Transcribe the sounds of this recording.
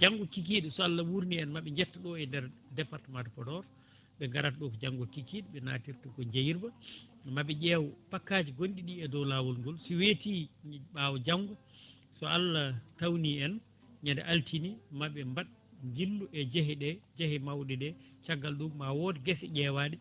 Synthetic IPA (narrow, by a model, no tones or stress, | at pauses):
d͡ʒaŋɡɔkik̬iɗɛsɔalːawuɾniɛnmaɓɛɲd͡ʒɛtːaɗɔɛndɛɾ | dɛpaɾtamantpɔdɔɾ | ɓɛŋɡaɾatɗɔkɔd͡ʒaŋɡɔkikiɗɛɓɛna̰ːtiɾtaɡɔɲd͡ʒajiɾbamaɓɛɟɛːwɔpakːaːd͡ʒiɡonɗiɗiɛdɔlawɔlŋɡɔlsiwetiɓaːwɔd͡ʒaŋɡɔ | sɔalːatawniɛn | ɲandɛ̰ʔaltʰinimaɓɛmbaɗ | ɲd͡ʒilːuʔɛd͡ʒɛɦɛɗɛd͡ʒɛhɛmawɗɛdɛt͡ʃaɡːalduɡmawɔdɛɡɛsɛɟɛːwaːɗi